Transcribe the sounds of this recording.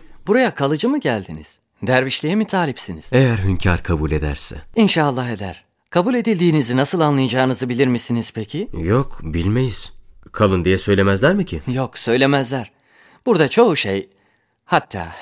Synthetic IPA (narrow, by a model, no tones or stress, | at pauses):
b̥uɾajakʰalˠɯd͡ʒɯmɯɟælʲd̪inḭz̥ | d̪æɾviʃlʲijɛmit̪ʰaːlʲipsiniz̥ejæɾɦyncʰaɾkʰabulʲe̞d̪æ̰ɾsɛ̰inʃaːlˠːaɦe̞d̪æ̰ɾ̥ | kʰabulʲe̞d̪ilʲd̪iːnizinasɯlˠanlˠajad͡ʒaːnɯzɯbilʲiɾmisiniz̥pʰe̞cʰijokbilʲmejiz̥kʰalˠɯnd̪ijɛsø̞jlʲe̞mæzlʲæɾmɯcʰijo̞ksø̞jlʲe̞mæzlʲæɾ̥ | b̥uɾd̪at͡ʃʰo̞uʃḛj | hat̪ʰːa̰ː